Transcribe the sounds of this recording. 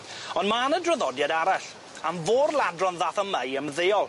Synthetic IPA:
ɔndmanədrəðɔdjadaɾaɬ | anvoːrlˠadrɔnðaːθəmajəmðeɔlˠ

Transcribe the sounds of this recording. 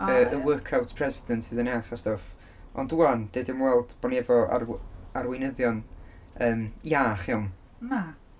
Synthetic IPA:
əəwəːkʰawtʰpʰr̥ɛzɪdəntʰɨðənjaχastɔf | ʔɔ̰nduand̥eːdɪmwɛlˠd̥b̥ɔniɛvɔa̰rarwɪnəðjɔn | əːmjaːχɪwm | ma

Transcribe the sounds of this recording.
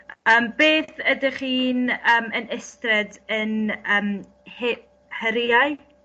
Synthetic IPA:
əːmbeːθədɪχiːnəːmənɪstrɛdənəːm | he | həɾiaɨ

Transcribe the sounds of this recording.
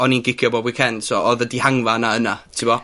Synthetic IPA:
ɔninɡɪkʰjɔbɔwɪkʰɛnd̥sɔʔɔðədihaŋvanaənatʰɪmɔ

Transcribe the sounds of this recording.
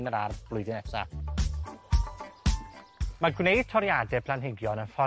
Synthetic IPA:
nəɾarvb̥lˠʊɨdɪnɛɬa̰ | maɡwnejd̥̚tʰɔɾjadɛpʰlˠanɦɪɡjɔnənfɔ

